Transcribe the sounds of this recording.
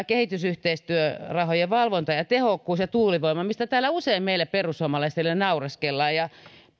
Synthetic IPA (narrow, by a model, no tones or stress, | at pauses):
kehit̪ysyht̪eist̪yørɑhojeʋɑlʋont̪ɑjɑt̪ehokːuːsjɑt̪uːliʋoimɑmist̪æt̪æːlæuseimmeilːæperusuomɑlɑist̪elːenɑurɑskelːɑːjjɑ